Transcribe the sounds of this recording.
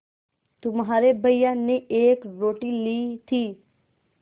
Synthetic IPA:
t̪ʊmɦaːɾebʱəijaneeːkɾoːʈilit̪ʰiː

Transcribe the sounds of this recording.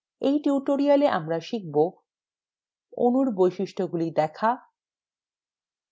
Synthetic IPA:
ejʈiuʈoɾialeʔa̰mɾaʃik̚bo | o̰nuɾbojʃiʃʈʰoɡulid̪ɛkʰa

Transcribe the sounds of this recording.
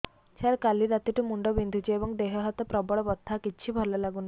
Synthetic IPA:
t͡ɕʰaɾkaliɾat̪iʈumuɳɖɔbind̪ʱut͡ɕiebɔŋd̪eɦɔɦɔt̪ɔpɾɔbɔɭɔbɔt̪ʰːakitːt͡ɕʰibʱɔɾlɔlaɡuna

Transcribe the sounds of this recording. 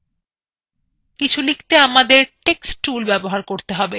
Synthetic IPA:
kit͡ɕʰulikt̪eamad̪eɾʈeksʈːulbɛboɦaɾkoɾt̪eɦɔbe

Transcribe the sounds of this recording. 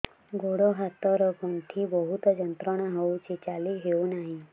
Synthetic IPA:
ɡoɽoɦat̪ɔɾkɔnt̪ʰibɔɦut̪ɔd͡ʒənt̪ɾəɽ̃aɦowt͡ʃʰet͡ʃaliɦeũnaɦĩ

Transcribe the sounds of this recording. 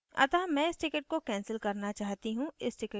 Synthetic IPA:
ɐ̰t̪aːmɛ̃ːɪsʈɪkɪʈ̚kokɛ̃ːnsəlkɐɾnat͡ʃaːɦt̪iɦũɪsʈɪk

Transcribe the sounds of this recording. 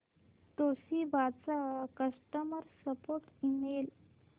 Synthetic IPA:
t̪osibat͡sakəʂʈəməɾsəpoɾʈimel

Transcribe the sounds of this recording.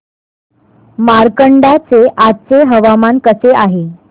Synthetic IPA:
maɾkəɳɖat͡seʔat͡seɦəʋamankəseʔaɦe

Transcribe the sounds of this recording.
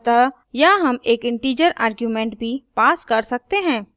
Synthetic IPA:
t̪a | jaɦɐmeːkɪ̃ɳʈiːd͡ʒəɾa̰ːɾɡjumɛ̃ːɳʈ̚bʱipaːskɐɾsɐk̚t̪eɦɛ̃ː

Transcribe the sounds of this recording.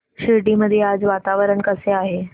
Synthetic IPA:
ɕiɖiməd̪ʱːjead͡zʋat̪aʋəɾəɳkəseaɦe

